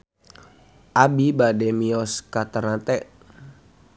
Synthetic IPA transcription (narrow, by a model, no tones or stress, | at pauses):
ʔabibadɛmiɔskat̪əɾnat̪ɛʔ